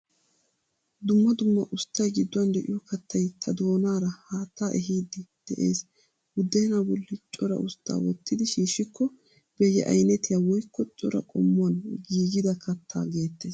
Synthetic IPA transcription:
d̪ʊmːɐd̪ʊmːɐʔʊst̪ːɐjɡɪd̪ːʊɐnd̪ɛʔɪ̰jɔkɐt̪ʰːɐjt̪ʰɐd̪o̞ːnaːɾɐhaːt̪ːaːʔɛɦiːd̪ːɪd̪̥ɛʔḛːs | wʊd̪ːeːnabɔlːɪt͡ʃʼɔɾɐ̰ʊst̪ːa̰ːwɔt̪ːɪd̪ɪʃiːʃɪkʰːɔ | b̥ɛjɛ̰ʔɐ̰jnɛt̪ɪjawɔjkːɔt͡ʃʼɔ̰ɾɐ̰kʼɔ̰mːʊɐnɡiːɡɪd̪ɐkʰɐt̪ʰːa̰ːɡe̞ːt̪ːe̞ːs

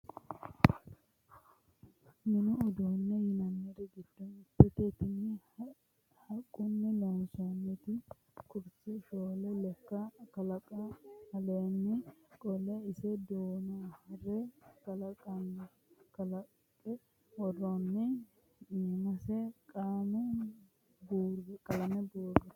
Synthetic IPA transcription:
nɪnʊːd̪uːnːɛhɪnɐnːɛɾɛɡɪd̪ːɔnɪpːɛt̪ɛt̪ɪnɪ | hɐkʼːʊnːɛlɛmʊsonːɛt̪ɪ | kʊɾt͡sːɛʃoːlɛlɛkːɐkɐlɐkʼɐhɐlenːɪkʼɔlɛɪsɛd̪oːnohɐɾɛkɐlɐkʼɐn | kɐlɐ | kʼːɛ | wɔrːɔnːɛ | ɛmɐsɛkʼamɛ | buːɾɡɛkʼɐlɐmɛbuːɾɡɛt̪

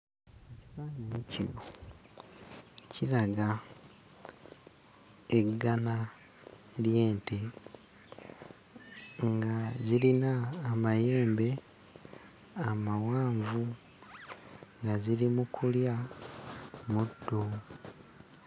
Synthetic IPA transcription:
eciβaːɲimucḭβo | cʰilaɡa | eɡana | lje̞ːnte | ŋɡazilinaːmaje̞ːmbe̞ | amawaːɱvu | ŋɡazilimukʰulja | mudːo

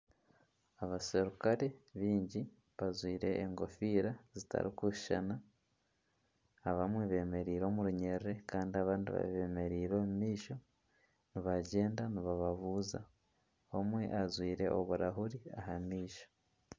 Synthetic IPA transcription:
aβase̞ɾukaɾe̞βiːɲɟi | βazwiːɾe̞ʔːŋɡo̞fiːɾazita̰ɾikuʃa̰na | βamwe̞βe̞ːme̞ɾiːɾo̞ːmuɾuɲe̞ɾɾe̞kaːndiaβaːndiβa̰βe̞ːme̞ɾiːɾo̞ːmumiːʃo̞ | niβaɟe̞ːndaniβaβaβuːza̰ | βomwe̞̰ʔazwiːɾe̞ʔo̰βuɾaɦuɾiaɦamiːʃo̥

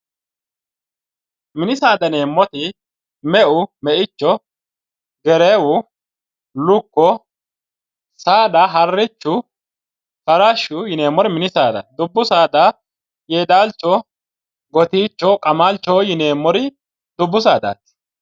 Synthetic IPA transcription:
mɪnɪsaːd̪ɐneːmːɔt̪ɪ | mɛʔʊmɛʔɪt͡ʃːɔ | ɡɛɾeːwʊ | lʊkːɔ | saːd̪ɐɦɐrːɪt͡ʃːʊ | kɐɾaʃʊjɪne̞ːmːɔɾɪmɪnɪsaːd̪ɐ̰d̪ʊbːʊsaːd̪a | jeːd̪aːlt͡ʃːɔ | ɡɔt̪iːt͡ʃːɔkʼɐmaːlt͡ʃːɔjɪne̞ːmːɔɾɪ | d̪ʊbːʊsaːd̪a̰ːt̪ːɪ̥

